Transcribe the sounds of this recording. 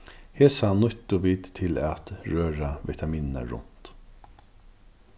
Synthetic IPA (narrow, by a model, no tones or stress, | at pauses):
heːsanʏt̪ʊʋiːt̪t̪ʰːɪlat̪ɹøːɾavɛt̪ʰamiːnəna̰ɹʊ̰n̥t̪